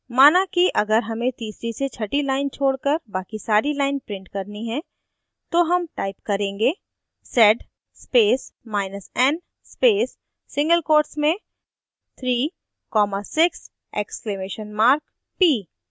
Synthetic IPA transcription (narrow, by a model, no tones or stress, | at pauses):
maːnakiʔɐɡəɾɦɐmẽt̪iːsɾiset͡ʃʰɐʈilaːɪnt͡ʃʰoːɽkəɾbaːkisaːɾilaːɪnpɾɪ̃ɳʈkɐɾniɦɛ̃ | t̪oɦɐmʈaːɪpkɐɾẽːŋɡeː | sɛːɖː | peːsmaːɪnəsɛn | speːsː | ɪ̃ŋɡəlkoːɾʈsmẽ | t̪ʰɾiː | kɔːmasɪks | ḛːkskleːmeːʃənmaːɾk | piː